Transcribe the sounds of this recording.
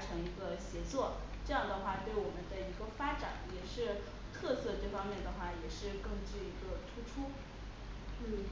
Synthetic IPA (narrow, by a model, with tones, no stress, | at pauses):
ʈ͡ʂʰɤ˧˥ŋi˧˥ɡə˧ɕjɛ˧˥t͡swɔ˥˩ | ʈ͡ʂɤ˥˧jɑ˥˩ŋd̪ə˩xwa˥˧t̪we˥˩ɪwɔ˨˩mə˦nd̪ə˧i˧˥ɡə˧fa˥ʈ͡ʂa̰˨˩˦njɛ˨˩ʂɻ̩˥˧ | t̪ʰɤ˥˧sɤ˥˧ʈ͡ʂɤ˥˩fɑ˥ŋmjɛ˥˩nd̪ə˩xwa˥˩jɛ˨˩ʂɻ̩˥˧kɤ˥˧ŋt͡ɕy˥˩i˧˥ɡə˧t̪ʰu˥ʈ͡ʂʰu˥ | n̩˥˩